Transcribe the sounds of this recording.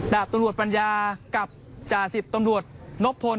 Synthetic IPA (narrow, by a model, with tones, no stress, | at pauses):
daː˨˩p̚t̪a˧mɾu˨˩ət̪̚pa˧njaː˧ka˨˩p̚ | t͡ɕaː˨˩si˨˩t̪ːa˧mɾu˨˩ət̪̚lo˦˥p̚ʰːo˧